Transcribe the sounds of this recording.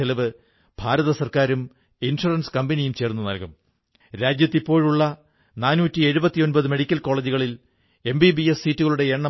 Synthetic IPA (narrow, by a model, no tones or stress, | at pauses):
elɐʋɨ | b̥ʱaːɾɐðɐsɐrkaːɾum | inʂurɐnskɐmbɐnijumt͡ɕe̞ːrnːunɐ̰lkɐm | ɾaːd͡ʑjɐt̪ːipːo̞ːɻuɭːɐ | naːnuːtːie̞ɻubɐt̪ːijo̞nbɐðɨme̞ɽikʲːɐlko̞ːɭeːd͡ʑiɣɐɭil | e̞mbibiessiːtːuɣɐɭuɽe̞eɳːɐ